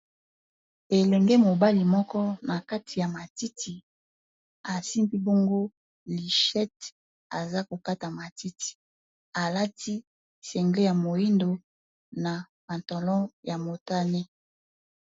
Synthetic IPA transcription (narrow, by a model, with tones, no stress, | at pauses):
e˨lɛ˨ŋɡe˦mo˨ba˦li˨mɔ˦kɔ˦na˨ka˦tʰi˨ja˨ma˨ti˦ti˨ | a˨si˦mbi˦bo˦ŋɡo˦ | li˨ʃɛ˦t | a̰˨za˦ko˨ka˦ta˨ma˨ti˦tʰi̥˨ | a˨la˦ti˦ | sɛ˨ŋɡle˦ja˨mo˨ji˦ndo˨ | na˨ | ba˨ntɔ˨lɔ̃˦ja˨mo˨ta˦ne˦